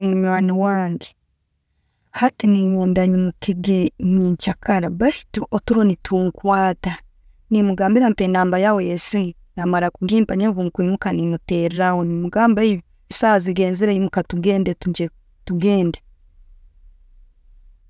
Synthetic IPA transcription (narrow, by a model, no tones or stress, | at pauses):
muɲwaːniwaːŋɡe | hatiniɲuːndaɲimukiɡeɲiːɲcakaɾabai̥tuʔotuɾonitʰuŋkwaːta | nimuɡaːmbiɾampenaːmbajawejesi | namaɾakuɡiːmpaɲevuːŋkimukaninuteːɾɾawonimuɡaːmbai | isaːziɡeːnziɾeimukatuɡeːndetuɟe | tuɡe̞ːnde